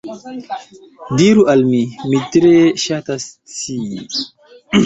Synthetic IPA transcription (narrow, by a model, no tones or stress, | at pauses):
diɾuʔalmimitɾeʃatas | si